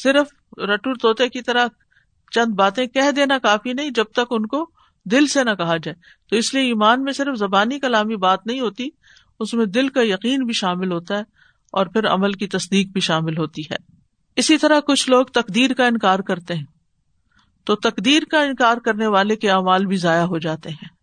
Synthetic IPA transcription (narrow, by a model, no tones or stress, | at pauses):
sɪɾəf | ɾɐʈuːɾt̪oːt̪ekit̪ɐɾəɦ | t͡ʃɐ̃nd̪baːt̪ẽkɛɦd̪eːnakaːfinɐɦĩd͡ʒɐb̚t̪ɐkʊnko | d̪ɪlsenɐkɐɦad͡ʒaːe | t̪oɪslieiːmaːnmẽsɪɾfzɐbaːnikɐlaːmibaːt̪nɐɦĩɦoːt̪i | ʊsmẽd̪ɪlkajɐqiːnbʱiʃaːmɪlɦoːt̪aɦɛː | ɔːɾpʰɪɾɐ̰məlkit̪ɐsd̪iːq̚bʱiʃaːmɪlɦoːt̪iɦɛ̰ː | ɪsit̪ɐɾaɦkʊt͡ʃʰloːɡt̪ɐqd̪iːɾkaɪ̃nkaːɾkɐɾt̪eɦɛ̃ː | t̪oːt̪ɐqd̪iːɾkaɪ̃nkaːɾkɐɾneʋaːlekeaːmaːlbʱizaːjaɦod͡ʒaːt̪eɦɛ̃ː